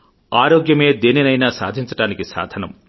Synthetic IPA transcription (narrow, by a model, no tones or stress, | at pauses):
aːɾoːɡjɐme̞ːd̪eːninɐjnaːsa̰ːd̪ʱiɲt͡ʃɐʈaːnikisa̰ːd̪ʱɐnɐ̰m